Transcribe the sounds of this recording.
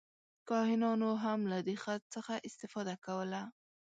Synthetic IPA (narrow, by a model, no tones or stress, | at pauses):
kɑɦɪnɑnoɦamlad̪exat̪̚t͡səxaʔɪst̪ɪfɑd̪akawəla